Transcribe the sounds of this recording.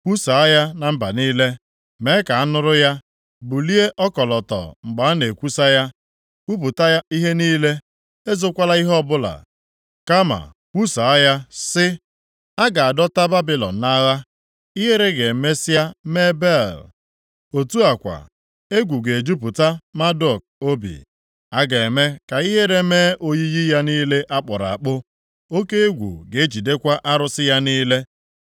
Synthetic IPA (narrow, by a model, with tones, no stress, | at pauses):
ku˦sa˨a˦ja˦na˨m̩˦ba˨niː˦le˦ | me˨˦ka˨a˦nʊ˦ɾʊ˦ja˦ | bu˨li˦e˦ʔɔ˦kɔ˨lɔ˨tɔ̰˨ŋ͡m̩˨ɡ͡ba˨˦ne˨kʷu˦sa˦ja˦ | u˦p̬ʊ˨ta˦ja˦i˦ɦe˦niː˦le˦ | e˦zo˦kʷa˦la˦i˦ɦɔ˦bʊ˦la̰˨ | ka˦ma̰˨ | kʷu˦sa˨a˦ja˦sɪ˦ | a˦ɡa˨a˨dɔ˦ta˦ba˦bɪ˨lɔ̰˨n̩ː˨a˦ɣa˦ | i˦ɦe˦ɾe˦ɡe˨m̩˨me˦sa˦me˦be˦˨l | o˨tu˦a˨kʷa̰˨ | e˦ɡʷu˨ɡe˨d͡ʒu˦p̬ʊ˨ta˦ma˦dɔ˦˨k̚o˦bḭ˨ | a˦ɡa˨e˨me˦ka˨i˦ɦe˦ɾe˦meː˦ʔo˦ɲi˦ji˦ja˦niː˦le˦ʔa˦k͡pɔ˨ɾa̰˨a˨k͡pʊ˦ | o˦ke˦e˦ɡʷṵ˨ɡe˨e˦t͡ʃi˨de˦kʷa˦ʔa˦ɾʊ˦sɪ˦ja˦niː˦le˦